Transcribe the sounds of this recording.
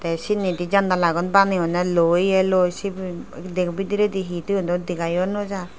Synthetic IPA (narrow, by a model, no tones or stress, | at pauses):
t̪ɛsiniʈid͡ʒand̪alaɡɔnbaniɔnɛlojɛlojsibd̪ekʰbid̪iɾed̪iɦit̪iɔnt̪ɔd̪ikajɔnɔd͡ʒa